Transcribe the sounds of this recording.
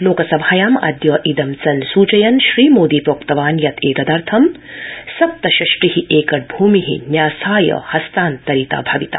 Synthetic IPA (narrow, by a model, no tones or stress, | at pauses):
loːkɐsɐbʱaːjaːmɐ̰d̪jɐːʔid̪ɐmt͡sɐnsuːt͡ʃɐjɐnʃɾiːmoːd̪iːpɾoːkt̪ɐʋaːnjɐt̪ʰeːk̪ɐd̪ɐɾt̪ʰɐmsɐp̚t̪ɐʃɐʃʈɾihiʔeːkɐʈ̚bʱuːmiɦḭnjaːsaːjɐ̰hɐst̪aːnt̪ɐɾit̪a̰ːbʱɐʋit̪a̰ː